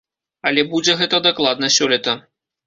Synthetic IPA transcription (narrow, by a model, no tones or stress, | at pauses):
ɐlʲɛbud͡zʲɛɣɛt̪ɐd̪aklˠad̪nɐsʲɔlʲit̪ɐ